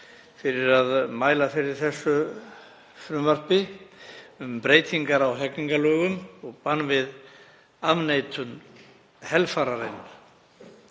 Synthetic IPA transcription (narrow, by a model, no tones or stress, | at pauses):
fɪɾɪɾaðmaːjlafɪɾɪɾ̥θɛsːʏ | fɾʏmvar̥pɪ | ʏmpɾeːjt̪ʰiŋkaɾawɦɛkniŋkalœːɣʏmɔɣpanːvɪð | avnejt̪ʰʏn | hɛlfaɾaɾejnʏn